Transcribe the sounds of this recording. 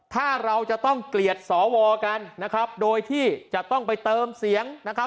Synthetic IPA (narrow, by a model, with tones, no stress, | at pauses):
t̪ʰaː˥˩ɾa˧wt͡ɕa˨˩t̪ɔ˥˩ŋkli˨˩ət̪̚sɔː˩˦wɔː˧ka˧nːa˦˥kʰɾa˦˥p̚doː˧jt̪ʰiː˥˩t͡ɕa˨˩t̪ɔ˥˩ŋpa˧jt̪ɤː˧msi˩˦əŋna˦˥kʰɾa˦˥p̚